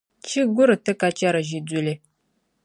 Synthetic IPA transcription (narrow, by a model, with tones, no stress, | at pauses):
t͡ʃi˦ɡʷu˦ɾə˨tə˦ka˦t͡ʃa˦ɾa˨ʒi˨d͡zu˨le˦